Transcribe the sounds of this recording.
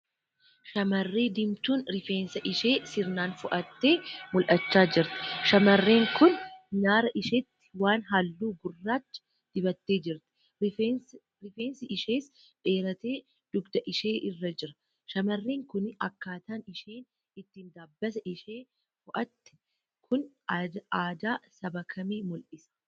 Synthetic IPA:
ʃɐmɐrːe̞ːd̪ɪmt̪uːnɾɪfeːnsɐʔɪʃeːsɪɾnaːnfʊʔɐt̪ːeːmʊlʔɐt͡ʃːaːd͡ʒɪɾt̪ɪ̥ʃɐmɐrːe̞ːŋkʊnnaːɾɐʔɪʃɛt̪ːɪ̥waːnɦɐlːuːɡʊrːaːt͡ʃːɐ̥ | d̪̥ɪbɐt̪ːe̞ːd͡ʒɪɾt̪ɪ̥ | ɾɪfeːnsɪʔɪʃeːs | bʼe̞ːɾɐt̪eː | d̪̥ʊɡd̪ɐʔɪʃeːʔɪrːɐd͡ʒɪɾɐ̥ | ʃɐmɐrːeːŋkʊnɐkːaːt̪aːnɪʃeːn | ɪt̪ːiːnd̪aːbːɐsɐʔɪʃeː | fʊʔɐt̪ːɪ̥ | kʰʊn | aːd̪aːsɐbɐkʰɐmiːmʊlʔɪsɐ̥

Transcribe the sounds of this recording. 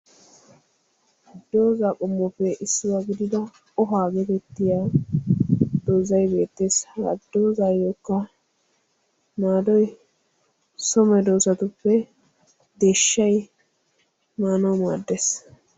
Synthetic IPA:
d̪oːzaːkʼʊmːɔfɛʔɪsːɪwaɡɪd̪ɪd̪ɐ | ɔɦaːɡɛd̪ɛt̪ːɪjaː | d̪̥oːzɐjbe̞ːt̪ːeːsɐ̰d̪ːo̞ːzaːjoːkːɐ | naːd̪ɔj | sɔmɛd̪oːsɐt̪ʊpːɛ | d̪e̞ːʃːɐj | maːnɐwmaːd̪ːeːs

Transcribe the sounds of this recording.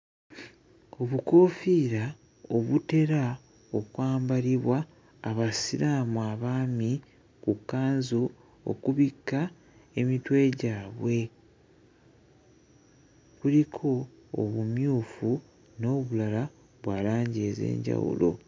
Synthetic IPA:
o̞βuko̞ːfiːɾa | oβute̞ɾa | o̞kwaːmbaliβwaː | βasiɾaːmuaːβaːmi | kukːaːnzu | o̰kuβikːa | e̞mitwe̞ːɟaːβwe̞ | βulikʰo̞̰ː | βumjuːfu | no̞ːβulala | βwaːlaːɲɟeze̞̰ːɲɟa̰wṵlo̞̰

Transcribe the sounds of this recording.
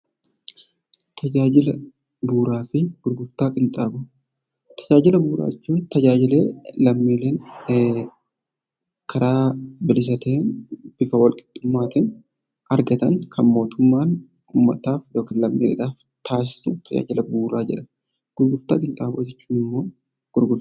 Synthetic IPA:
t̪ʰɐd͡ʒaːd͡ʒɪlɐ | buːɾaːfɪɡ̥ʊɾɡʊɾt̪aːkʼɪnt̪ʼaːbʊ | t̪ʰɐ̥d͡ʒaːd͡ʒɪlɐbuːɾa̰ːɛt͡ʃːuːnt̪ɐd͡ʒaːd͡ʒɪleːlɐmːiːleːn | kʰɐɾaːbɪlɪs̬ɐt̪eːnb̥ɪfɐwɐlkʼɪ̥d̪̥ːʊmːaːt̪ɪn | ɐɾɡɐt̪ɐnkʰɐnmo̞ːt̪ʊmːaːn | uːmːɐt̪aːfjo̞ːkɪːnlɐmːḭːɾɛ̰ᶑaːf | t̪ʰaːs̬ɪ̥sʊt̪ʰɐd͡ʒa̰ːd͡ʒɪlɐbuːɾaːd͡ʒɛᶑɐ | ɡ̥ʊɾɡʊɾt̪a̰ːkʼɪnt̪ʼaːbʊːd͡ʒɛt͡ʃːuːnɪmːo̞ː | ɡ̥ʊɾɡʊɾ

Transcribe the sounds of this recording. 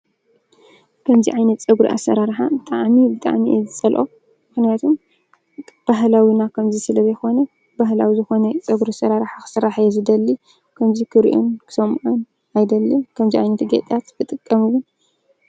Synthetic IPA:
kʰɐmziʕajnɐt̪t͡sʼɐɡɾḭʔa̰sɐ̰ɾaɾħat̪ʼaʕmibɨt̪ʼa̰ʕmizɨt͡sʼɐlʔo̰ | mɨxnijat̪ʰum | b̥aɦlawinakʰɐmzisɨlɐβjɛxo̞nɐ | baɦlawizɨxo̞nɐt͡sʼɐɡɾusɐɾaɾħaxɨ̥sɨɾːaħjɛzɨd̪ɐlːi | kʰɐmzikʰɨɾḭʔṵnkʰɨ̥sɐmʔun | ajd̪ɐlːikʰɐmziʕajnɐt̪ɡḛt̪ʼat̪bʰɨt̪ʼɨkʼːɐmɨwʊn

